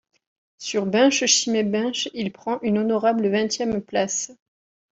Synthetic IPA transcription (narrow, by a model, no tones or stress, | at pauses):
syʁbɛ̃ʃəʃimebɛ̃ʃilpχɑ̃ʔynonɔʁabləvɛ̃t̪jɛmplas